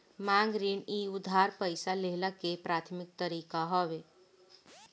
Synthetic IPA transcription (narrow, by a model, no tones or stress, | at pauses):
mãːŋɡɾiːniːʊd̪ʱaːɾpəɪsaleɦlakepɾaːt̪ʰmɪk̚t̪əɾiːkaɦɔʋe